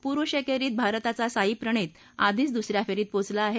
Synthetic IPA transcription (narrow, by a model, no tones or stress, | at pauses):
puɾʋəɕekeɾiːt̪̚bʱaɾt̪at͡sasaiːpɾəɳ̃iːt̪ | ad̪ʱiːt͡sd̪usɾjafeɾiːt̪̚pot͡slaːɦe